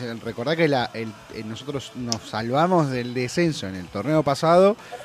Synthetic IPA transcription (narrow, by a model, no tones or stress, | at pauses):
reko̞ɾðaɾkelaʔelnosot̪ɾo̞snosːalβamo̞zðeld̪ese̞nso̞enelt̪o̞rneo̞pasaðo̞